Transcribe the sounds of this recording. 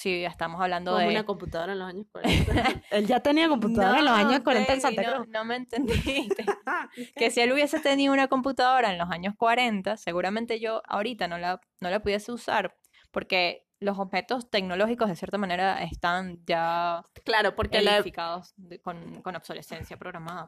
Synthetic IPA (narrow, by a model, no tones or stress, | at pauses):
siest̪amosaβland̪oðeunakomput̪aðoɾaenlosaɲoskwa̰ɾḛelʝat̪eniakomput̪aðoɾaelosaɲosskwaɾenaensant̪aoɾonomeːnt̪e̞nd̪it̪eke̞sie̞luβje̞se̞t̪e̞niðounako̞mput̪aðo̞ɾaenlo̞saɲo̞skwaɾe̞nt̪ase̞ɣuɾamẽnt̪e̞ʝo̞ʔa̰oɾit̪ano̞la | no̞lapuðjeseusa̰ɾ | po̞ɾke̞ | lo̞so̞βhe̞t̪o̞st̪e̞kno̞lo̞xikozð̞e̞sje̞ɾt̪amãne̞ɾaʔest̪and͡ʒaklaɾopoɾkelifikaðoskonko̞noβso̞le̞se̞nsjapɾoɣɾamaða